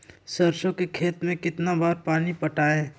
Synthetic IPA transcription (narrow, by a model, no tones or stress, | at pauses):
sɐɾʃõkekʰeːt̪mẽkɪt̪nabaːɾpaːnipɐʈaːẽː